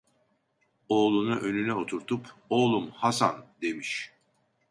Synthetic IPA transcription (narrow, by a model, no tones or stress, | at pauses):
o̞ːlˠunuʔønynɛo̞t̪ʰuɾt̪ʰupo̞ːlˠumhasa̰nd̪e̞miʃ